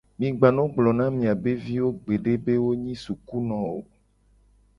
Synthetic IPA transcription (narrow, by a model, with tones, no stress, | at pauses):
mĩ˨ɡ͡ba˨nɔ̃˦ɡ͡blɔ˨nã˦mĩ˨a˨be˦vi˦wo˦ɡ͡be˨ɖe˦be˦wo˦ɲĩ˦su˨ku˦nɔ̃˨wo̰˨